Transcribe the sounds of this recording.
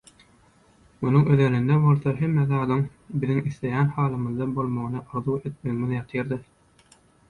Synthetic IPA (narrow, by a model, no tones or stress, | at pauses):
munuŋøðenynd̪ebo̞lˠθoɦemːeθɑd̪ɯŋ | biðiŋiθle̞jæːnhɑːlˠɯmɯðd̪ɑbo̞lˠmoʁnɯʔɯɾðuːe̞t̪̚me̞ɣimiðjɑt̪ʰɯjɑɾd̪ɯ